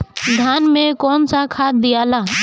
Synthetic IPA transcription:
d̪ʱjaːnmẽkɔːnsakʰaːt̪̚d̪ɪjaːlaː

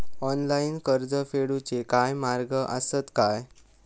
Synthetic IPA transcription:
ɔnlainkəɾd͡zəfeɽut͡ɕekajmaɾɡəʔə̰sət̪kaj

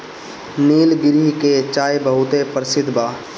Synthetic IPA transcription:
niːlɡɪɾiket͡ʃaːjbəɦʊt̪epəɾɪsɪd̪ʱbʱaː

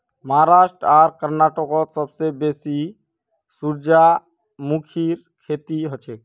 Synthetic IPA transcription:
məɦaɾaʃʈɾaɾkəɾnaʈɔkɔt̪sɔbsebesi | suɾd͡ʒa | mukʰiɾ | kʰet̪iɦɔt͡ʃʰek̚

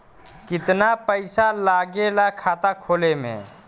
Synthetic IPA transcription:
kɪt̪napəɪsalaːɡelakʰaːt̪akʰoːlemḛ̃

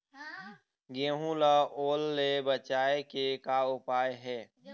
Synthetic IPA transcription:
ɡẽːɦũlaoːlːebət͡ʃaːekekaʊpaːeɦɛː

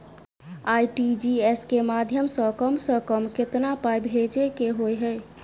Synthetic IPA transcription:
aiʈid͡ʒieskemad̪ʱjəmsə̃kəmsə̃kəmkɪt̪napajbʱed͡ʒekeɦojɦəj

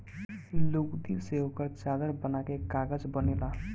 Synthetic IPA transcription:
loːɡd̪iseɦoːkəɾt͡ʃaːd̪əɾbənakekaːɡəd͡ʒbənela

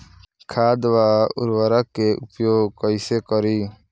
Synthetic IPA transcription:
kʰaːd̪ʋaːʊ̰ɾʋaɾakːeʔʊpjoːɡkɔisekɔɾiː

